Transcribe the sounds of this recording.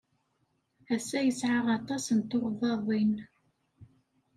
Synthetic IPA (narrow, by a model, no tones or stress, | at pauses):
æsæjəsʕaʁɑt̪ˤɑsənt̪oɾðˤɑðˤin